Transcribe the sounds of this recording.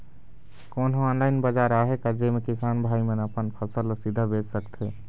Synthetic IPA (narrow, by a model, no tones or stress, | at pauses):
konɦoɔːnlaɪnbəd͡ʒaɾaɦekad͡ʒemekisanbʱaimenəpənpʰəsəlsid̪ʱəbed͡ʒsəkt̪ʰe